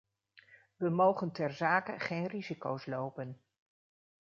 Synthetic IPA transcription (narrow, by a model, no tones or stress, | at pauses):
ʋəmowχəntɛɹzaːkə̰χejnrizikowslowpən